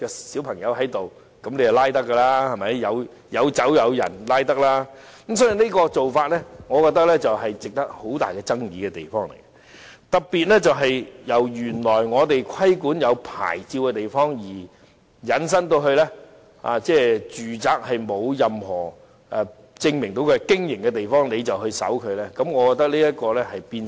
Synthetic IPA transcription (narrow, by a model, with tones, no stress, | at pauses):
kɛ˧siː˨˥wpʰɐ˨˩ŋjɐ˨˧wɦɐ˨˥jt̪o˨w | kɐ˨˥mnle˨˧jɐ˨˩laː˥jt̪ɐ˥kːɐ˧laː˥hɐ˨jmɐ˨˥jjɐ˨˧w | jɐ˨˧wt͡sɐ˨˥wjɐ˨˧wjɐ̰˨˩nlaː˥jt̪ɐ˥k̚laː˥km̩sɔː˨˥ji˨neː˥kɔː˧t͡so˨wfaː˧t̚lɛ˥ŋɔː˨˧kɔː˧k̚t̪ɐ˥k̚lɛ˥t͡sɐ˨wɦɐ˨jt͡sɪ˨k̚t̪ɐ˥k̚ho˨˥wt̪a̰ː˨jkɛ˧t͡sɐ˥ŋjiː˨˧kɛ˧t̪e˨jfɔː˥ŋlḛ˨˩jkɛ˦ | t̪ɐ˨k̚piː˨t̚lɛ˥t͡sɐ˨wɦɐ˨jjɐ˨˩wjyː˨˩nlɔː˨˩jŋɔː˨˧t̪e˨jkʷʰɐ˥jkuː˨˥njɐ˨˧wpʰa̰ː˨˩jt͡siː˧wkɛ˧t̪e˨jfɔː˥ŋjiː˨˩ | jɐ˨˥ns̬ɐ˥nt̪̬o˧wɦɵ˧ɥlɛː˥ | a̰ː˨˧t͡sɛː˥˩t͡ʃyː˨t͡saː˨k̚hɐ˨jmo˨˧wjɐ˨mhɔ̰ː˨˩ | ʔɛ˧ | t͡sɪ˧ŋmɪ˨˩ŋt̪o˨˥wkɛ˧kɪ˥ŋjɪ˨˩ŋkɛ˧t̪e˨jfɔː˥ŋle˨˧jt͡sɐ˨whɵ˧ɥsɐ̰˨˥wkʰɵ˨˧ɥlɛː˥kɐ˨˥mŋɔː˨˧kɔ˧k̚t̪ɐ˥k̚liː˥jɐ˥t̚kɔː˧lɛ˥hɐ˨jpiː˧n